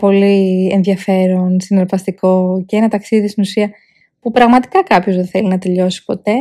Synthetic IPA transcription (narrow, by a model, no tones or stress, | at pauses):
po̞lienðʝɐfe̞ɾonsineɾpɐst̪iko̞cenɐt̪ɐksiðist̪inusiɐ | pupɾɐɣmɐt̪i̥kɐkɐpço̞zðenθe̞linɐt̪e̞ʎo̞si̥po̞t̪e̞